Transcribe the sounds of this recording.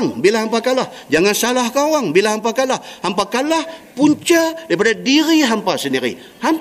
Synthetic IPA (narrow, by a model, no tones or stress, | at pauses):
ŋbilaɦampakalah | d͡ʒaŋansalahkawaŋbilahɦampakalahhampakalahpuɲt͡ʃadaɾipadadiɾiɦampasəndiɾḭ | ham